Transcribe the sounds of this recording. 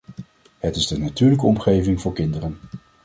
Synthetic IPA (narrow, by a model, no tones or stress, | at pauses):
hətɪzdənatyːɹləkəɔmχejvɪŋvʊːɹkɪndərən